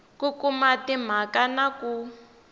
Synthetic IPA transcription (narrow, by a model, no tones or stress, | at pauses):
kukumatim̤akanaku